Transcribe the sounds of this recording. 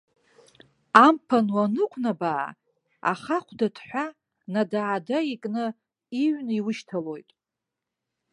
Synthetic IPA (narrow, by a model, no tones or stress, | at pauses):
ampʰanwanɨkʷʰnabaʕa̰ | a̰χaχʷʰdatʰħʷa | nadaːdaikʼnɨ | iɥniwʊʃtʰalo̞jtʼ